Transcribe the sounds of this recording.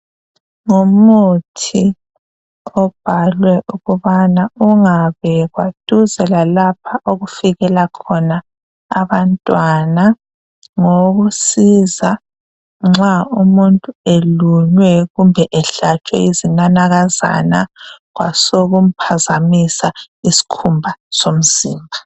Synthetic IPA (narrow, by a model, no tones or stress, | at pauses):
ŋumutʰi | ɔb̥ʱalwɛʔuɣuβanauŋaβɛɣwad̥ʱuzɛlalap̚ʰaʔoɣufiɣɛlakʰɔnaː | βantʼwana | ŋoɣusiza | ŋ͡ǁaumuntʼueluɲwɛɣumbʱɛʔɛɬat͡ʃʼwɛ̰izinanaɣaza̰naɣwa̰soɣum̩pʰazamisa | isi̥kʰumbʱasom̩ziːmbʱa